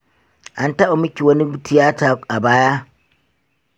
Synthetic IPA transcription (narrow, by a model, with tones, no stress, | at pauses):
ʔa˦nta˦ʔo˨mɪ˦kʲi˨wɐ˦ni˦btʰi˦jaː˦taː˨a˨baː˦ja˦